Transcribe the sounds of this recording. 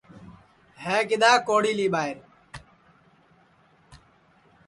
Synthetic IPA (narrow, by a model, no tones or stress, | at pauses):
ɦeːkɪd̪aːkoːɽiːliːɓaːɪɾ